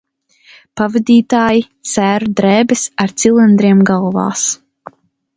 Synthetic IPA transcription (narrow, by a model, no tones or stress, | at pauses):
pavɨd̪ʲiːt̪aːjit̪sæːɾud̪ɾɛːbɛsaɾt̪silˠind̪ɾiɛmɡalˠva̰ːs